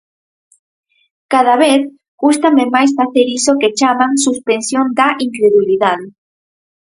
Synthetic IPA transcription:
kaðaβeθ | ɡ̥ust̪amemajsfaθeɾisoket͡ʃamãŋsuspensjond̪aʔiŋkɾeðuliðaðe

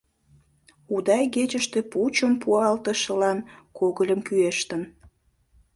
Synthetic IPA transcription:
ud̪ɑjɡet͡ɕəʃt̪eput͡ɕəmpuɑlt̪əʃə̆lɑnkoɣəlʲəmkyeʃt̪ən

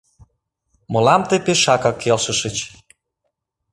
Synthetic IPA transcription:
mɤ̆lɑmt̪epeʃɑkɑkʰːelʃə̆ʃə̆t͡ɕ

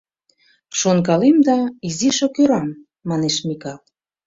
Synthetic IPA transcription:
ʃonkɑlemd̪ɑiziʃokøɾɑmː | ɑneʃmikɑl

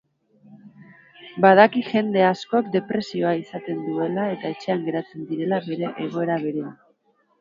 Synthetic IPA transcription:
baðakiʝe̞nd̪e̞asko̞kd̪e̞pɾe̞sio̞aisat̪e̞nd̪ue̞lae̞t̪ae̞t͡ʃe̞aŋɡe̞ɾat͡se̞nd̪iɾe̞laβe̞ɾe̞ʔeɣ̞o̞e̞ɾaβ̞e̞ɾe̞an

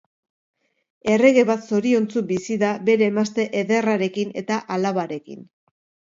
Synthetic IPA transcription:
e̞re̞ɣe̞βat̪so̞ɾio̞nt͡subisiðabe̞ɾe̞ːmast̪e̞ʔeðe̞raɾe̞kine̞t̪aʔalaβaɾe̞kḭn

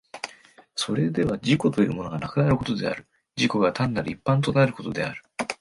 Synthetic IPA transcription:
so̞ɾe̞d̪e̞βad͡ʑiko̞t̪o̞jɯ̟ːmo̞noɡanakɯ̟naɾɯ̟ko̞t̪od̪e̞̰a̰ɾɯ̟ | d͡ʑiko̞ɡat̪ãnːaɾɯipːãnt̪̬o̞naɾɯ̟ko̞t̪o̞d̪e̞̰a̰ɾɯ̟

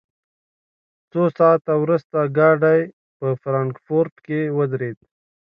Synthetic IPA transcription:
t͡sosɑːt̪awɾust̪aɡɑɖaj | pəfɾɑŋkfoɾʈkewəd̪ɾed̪̚

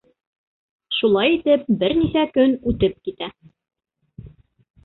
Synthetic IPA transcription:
ʃulˠɑjit̪ɘp̚bɘɾnihækɵnʉt̪ɘp̚kit̪æ

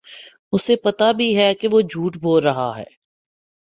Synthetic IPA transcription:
ʊsepɐt̪abʱiɦɛkeʋod͡ʒʱuːʈbʱoːlɾɐɦaɦɛ̰ː

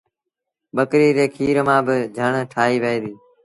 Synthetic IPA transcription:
ɓəkɾiːɾeːkʰiːɾmãːbɪd͡ʒʱəɳʈʰaːiːʋeɦiːd̪iː

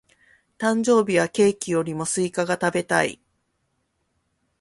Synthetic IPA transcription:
t̪ãɲ̟d͡ʑo̞ːbʲiβake̞ːkʲijo̞ɾʲimo̞sɨikaɡat̪abe̞t̪aḭ

